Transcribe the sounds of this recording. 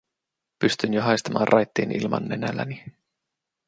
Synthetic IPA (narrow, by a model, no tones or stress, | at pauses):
pyst̪ynjoɦɑjst̪ɑmɑ̰ːrʔɑjt̪ːiːnḭlmɑ̰nːenælæni